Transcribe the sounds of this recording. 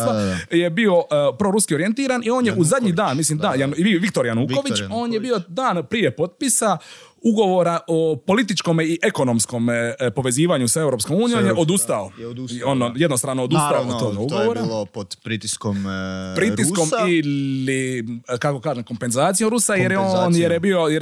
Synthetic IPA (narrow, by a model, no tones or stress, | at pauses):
aje̞bio̞pɾoɾuskio̞ɾie̞nt̪iːɾanio̞ːnjeʔuzad̪ɲiːd̪aːnmisliːmd̪aːjaniʋik̚t̪o̞ɾjanuːko̞ʋit͡ʃo̞ːnjebio̞d̪aːnpɾije̞po̞t̪̚pisa | uɡo̞ʋo̞ɾaʔopo̞lit̪it͡ʃkomiʔe̞ko̞nomsko̞mpo̞ʋe̞ziːʋaɲusae̞wɾopskomuːnijomjeʔo̞d̪ust̪aooːnje̞d̪nost̪ɾaːnood̪ust̪aouoɡauɡoʋoɾalpod̪pɾit̪iskompɾit̪iskomilikako̞kaːʒemko̞mpe̞nzaːt̪sijoɾusajeɾjonjeɾjebio̞j